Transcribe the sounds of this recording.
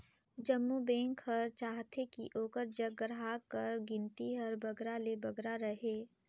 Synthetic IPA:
d͡ʒəmːubɛ̃ːŋkɦəɾt͡ʃaːɦt̪ʰekḭʔoːkəɾd͡ʒəɡɾɦakəɾɡɪ̃nt̪iɦɐɾbɐɡɾalebɐɡɾaɾəɦeː

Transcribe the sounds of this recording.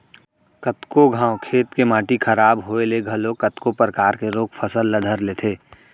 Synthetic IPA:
kət̪koɡʱãːwkʰeːt̪kemãːʈikʰəɾaːbɦoːeleɡʱɐlokət̪kopɾəkaːɾkeɾoːkʰpʰəsəlːəd̪ʱəɾleːt̪ʰeː

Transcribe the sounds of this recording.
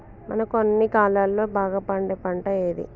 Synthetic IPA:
mɐ̰nɐkonːikaːlaːlːo̞ːbaːɡaːpɐɳɖeːpɐɳʈɐjeːd̪ḭ

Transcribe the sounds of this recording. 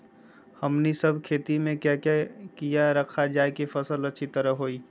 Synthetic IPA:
həmnisəbʱkʰeːt̪imẽkjakjakijaɾəkʰad͡ʒaːekepʰəsələtːʃʰit̪əɾəɦɦoːiː

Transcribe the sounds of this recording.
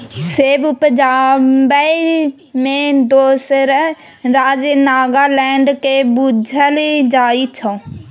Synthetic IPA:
seːbpəd͡ʒaːbəi | mẽd̪oːsəɾ | ɾaːd͡ʒenaːɡaːlɛːɳɖkebud͡ʒʱəlid͡ʒaːit͡ʃʰõː

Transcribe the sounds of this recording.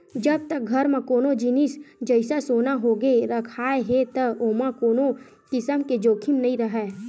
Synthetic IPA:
d͡ʒəb̚t̪ɐk̚ɡʱɐɾmẽkoːnod͡ʒɪnɪsd͡ʒəɪsasoːnaɦoːɡeɾɐkʰaːeɦet̪əoːmãkoːno | kɪsəmked͡ʒoːkʰɪmnɐɦĩɾɐɦɛː

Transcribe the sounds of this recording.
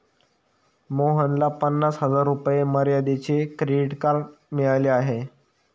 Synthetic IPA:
moɦənlapənːasɦəd͡zaɾːupjeməɾjad̪et͡ɕekɾeɖiʈkaɾmiɭaleaɦe

